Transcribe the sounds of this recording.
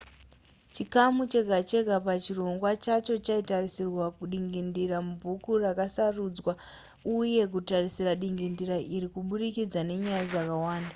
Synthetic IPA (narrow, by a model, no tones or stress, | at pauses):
t͡ʃikamut͡ʃe̞ɡʱat͡ʃe̞ɡʱapat͡ʃiro̞ŋɡwat͡ʃat͡ʃo̞t͡ʃaitarisirwakuɗiŋɡindiramubʱukurakasarud͡zwa | uje̞k̬utarisiraɗiŋɡindiɾaʔiɾikuɓurikid͡zane̞ɲajad͡zakawaːnda